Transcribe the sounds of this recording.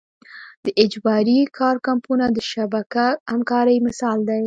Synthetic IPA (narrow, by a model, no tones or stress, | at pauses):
d̪̥əʔɪd͡ʒbɑɾikʰɑɾkampunad̪əʃabakahamkɑɾəjmɪsɑld̪aj